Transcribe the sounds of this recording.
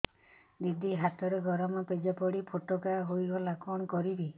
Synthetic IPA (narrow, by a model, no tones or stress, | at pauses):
b̪id̪ʱiɦat̪ɔɾeɡɔɾɔmɔped͡ʒapɔɽipʰoʈɔkaɦojɡɔlakɔɽ̃ɔkɔɾibi